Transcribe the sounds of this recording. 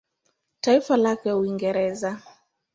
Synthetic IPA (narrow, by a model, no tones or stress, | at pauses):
taifalakɛuiŋɡɛɾɛza